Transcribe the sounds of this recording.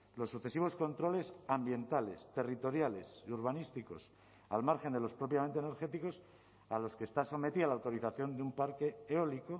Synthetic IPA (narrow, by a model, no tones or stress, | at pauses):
lo̞sːuθe̞siβo̞sko̞nt̪ɾo̞le̞sambje̞nt̪ale̞st̪e̞rit̪o̞ɾjale̞siuɾβ̞anist̪iko̞s | almaɾxe̞nd̪e̞lo̞spɾo̞p̬jament̪ene̞ɾxe̞t̪iko̞s | alo̞skeːst̪aso̞me̞t̪ialawt̪o̞ɾiθaθjo̞nd̪eumpaɾke̞ːoliko